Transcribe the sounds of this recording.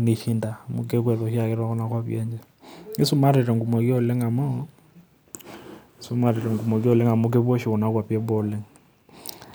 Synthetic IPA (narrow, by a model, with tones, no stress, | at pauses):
ne˨ʃi˦nda˨mo˨k̬e˦kwɛ˨ðo˨ʃi˦a˦˨ke˦ɾwa˦kɔ˦na˦kwa˦βjɛ˦ɲd͡ʒɛ˦˨ | e˦su˦ma˦ɾe˨ɾɛ˨ŋɡu˨mɔ˨kɔ˦˨le˦ŋa˨mɔ˦˨ | su˦ma˨ɾe˨ɾɛ˨ŋɡu˨mɔ˨kjɔ˦˨le˦ŋa˨mo˦k̬e˦bɔ˦ʃi˨kɔ˨na˦kwa˨pjɛ˦bɔ˦lɛ˦ŋ